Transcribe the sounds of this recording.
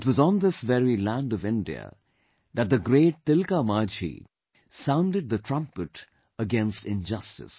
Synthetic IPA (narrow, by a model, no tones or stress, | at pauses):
ɪtwʌzn̩ðɪsvɛɹilæ̃ndʌvɪ̃ndiə̰ | ðɨt̚d̪əɡɾeːʈ̚t̪ɪlkamad͡ʒḭ | sãʊ̃nɖɨd̪̚ðətʰɹ̥ʌ̃mpɨʈ | əɡɛ̃nstɪ̃nd͡ʒʌstɨ̰s